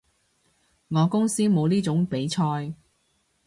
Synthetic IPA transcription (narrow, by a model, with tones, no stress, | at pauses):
ŋɔː˨˧kʊ˥ŋsiː˥mo˨˧wliː˥t͡sʊ˨˥ŋpe˨˥jt͡ʃʰɔː˧j